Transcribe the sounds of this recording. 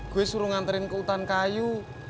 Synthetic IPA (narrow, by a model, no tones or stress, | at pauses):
ɡ̥owesuɾuŋant̪əɾɪnkəut̪ankaju